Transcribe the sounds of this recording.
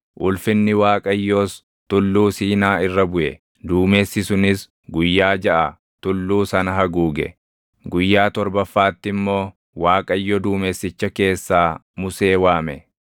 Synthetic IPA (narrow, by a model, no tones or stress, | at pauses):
ʔʊlfɪnːɪwaːkʼɐjːoːs | t̪ʊlːuːsiːnaːɪrːɐbʊʔɛ̰ | d̪uːme̞ːsːɪsʊnɪs | ɡʊjːaːd͡ʒɐʔɐ | t̪ʊlːuːsɐnɐɦɐɡuːɡɛ̰ | ɡʊjːaːt̪ɔɾbɐfːaːt̪ːɪmːo̞ː | waːkʼɐjːɔd̪uːme̞ːsːɪt͡ʃːɐke̞ːsːaː | mʊse̞ːwaːmɛ